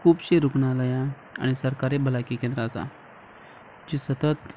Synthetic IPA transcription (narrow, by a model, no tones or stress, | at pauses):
kʰuːbɕiɾukɳaləja | a̰ɽ̃isəɾkaɾebʱəlakikẽnd̪ɾəːsa̰ | d͡ʑiːsət̪ət̪